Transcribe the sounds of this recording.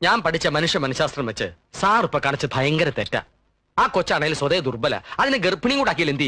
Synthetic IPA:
ɲaːnpɐʈʰit͡ɕːɐmɐnuʂjɐmːɐnɐɕaːst̪rɐmʋɐt͡ɕːɨ | saːrupːɐkaːɳit͡ɕːɨbʱɐjɐŋɡɐɾɐt̪etːa̰ː | aːkot͡ɕːaːɳejilswɐðeːɐd̪urbɐlɐ̰ɐðineɡerpiɳiŋɡuɽaːk̬ːijɐlend̪i

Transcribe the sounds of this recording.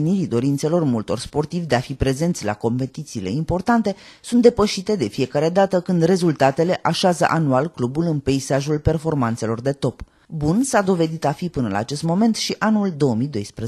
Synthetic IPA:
niɾid̪o̞ɾint̪se̞lo̞rmult̪o̞rspo̞rt̪ivd̪e̞afipɾe̞ze̞nt̪sʲla̰ko̞mpe̞t̪it̪siːle̞̰impo̞rt̪ant̪e̞sunt̪d̪e̞pəʃit̪e̞d̪e̞fije̞kaɾe̞d̪at̪əkɨnd̪re̞zult̪at̪e̞le̞ʔaʃazə̰ʔanualklubulɨnpe̞isaʒulpe̞rfo̞rmant̪se̞lo̞rd̪e̞t̪o̞p | bunsad̪o̞ve̞d̪it̪afipɨnəla̰ːt͡ʃe̞st̪mo̞me̞nt̪ʃiʔanuld̪o̞omid̪o̞jspɾe

